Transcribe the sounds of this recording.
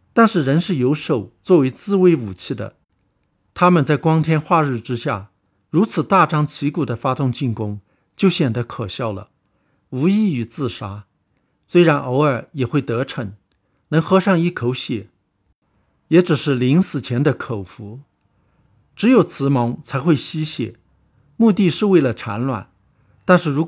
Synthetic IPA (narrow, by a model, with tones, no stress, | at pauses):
t̪a˥˧nʂɻ̩˥˩ɻə˧˥nʂɻ̩˥˩jo˧˥ʊʂo˨˩ʊt͡swɔ˥˩we˧˥ɪt͡sɹ̩˥˧we˥ɪu˨˩t͡ɕʰi˥˩d̪ə̰˩ | t̪ʰa˥mə˨nt͡sa˥˩ɪkwɑ˥ŋt̪ʰjɛ˥nxwa˥˧ɻɻ̩˥˩ʈ͡ʂɻ̩˥ɕja̰˥˩ | ɻu˧˥t͡sʰɹ̩˨˩t̪a˥˩ʈ͡ʂɑ˥ŋt͡ɕʰi˧˥ku˨˩d̪ə˦fa˥t̪ʊ˥˧ŋt͡ɕi˥˩nkʊ˥ŋ | t͡ɕjo˥˩ʊɕjɛ˨˩nd̪ə˧˥kʰɤ˨˩ɕjɑ˥˩ʊlə̰˩ | u˧˥i˥˩y˨˩t͡sɹ̩˥˩ʂa˥ | swe˥ɪɻa˧˥nʔo˧˥ʊə˞˨˩jɛ˨˩xwe˥˩ɪt̪ɤ˧˥ʈ͡ʂʰɤ˧˥ŋ | nɤ˧˥ŋxɤ˥ʂɑ˥˧ŋi˥˩kʰo˧˥ʊɕjɛ˨˩˦ | jɛ˧˥ʈ͡ʂɻ̩˨˩ʂɻ̩˥˩li˧˥ŋsɹ̩˨˩t͡ɕʰjɛ˧˥nd̪ə˧kʰo˨˩ʊfu˧˥ | ʈ͡ʂɻ̩˧˥jo˨˩ʊt͡sʰɹ̩˧˥mɑ˧˥ŋt͡sʰa˧˥ɪxwe˥˩ɪɕi˥ɕjɛ̰˨˩˦ | mu˥˧t̪i˥˧ʂɻ̩˥˧we˥˩ɪlə˩ʈ͡ʂʰa̰˧˥nlwa̰˨˩˦n | t̪a˥˧nʂɻ̩˥˩ɻu˧˥